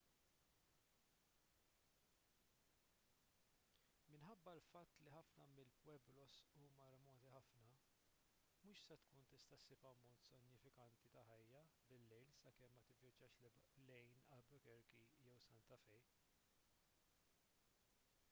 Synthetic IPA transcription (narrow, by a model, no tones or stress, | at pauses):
mɪnħɐbːɐlfɐt̪ːliħɐfnɐmɪlpwɛblɔsuːmɐɾɛmɔːt̪iħɐfnɐ | muːʃsɛt̪kuːnt̪ɪst̪ɐsːɪpɐmɔːt̪sɪnːjɪfɪkɐnt̪it̪ɐħɐjːɐbɪlːɛjlsɐkɛmːɐt̪ɪvjɐd͡ʒɐːʃlɛjnɐlbɛkɛɾkijɛwsɐnt̪ɐfɛj